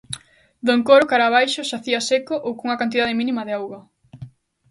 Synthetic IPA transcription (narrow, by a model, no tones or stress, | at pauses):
d̪oŋkoɾokaɾaβajʃʊʃaθiɐsekoʔowkuŋɐkant̪iðað̞emĩnimɐðeawɣɐ